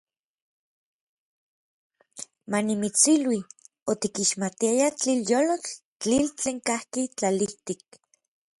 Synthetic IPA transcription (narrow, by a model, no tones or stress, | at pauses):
manimit͡silwi | ot̪ikiʃmat̪iajat͡ɬiljoːlot͡ɬ | t͡ɬilt͡ɬeːŋkahkit͡ɬaliht̪ik̚